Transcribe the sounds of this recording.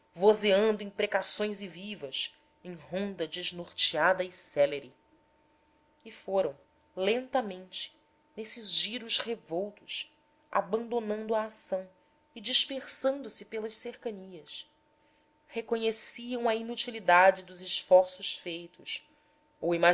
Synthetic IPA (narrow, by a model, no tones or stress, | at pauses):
vozeɐ̃nd̪ʊẽj̃pɾekasõj̃zɪvivɐs | ẽj̃ɦõnd̪ɐd͡ʒɪznoɾt͡ʃiad̪ɐɪsɛleɾɪ | ɪfoɾɐ̃w̃ | lẽnt̪ɐmẽnt͡ʃɪ̥ | nesɪzʒiɾʊʃhevowt̪ʊs | ʔa̰bɐ̃nd̪onɐ̃nd̪ʊɐːsɐ̃w̃ | ɪd͡ʒiʃpeɾsɐ̃nd̪ʊsɪpelɐʃseɾkɐniɐs | hekoɲesiɐ̃w̃ɐinut͡ʃilid̪ad͡ʒɪd̪ʊzɪʃfɔɾsʊʃfejt̪ʊs | owima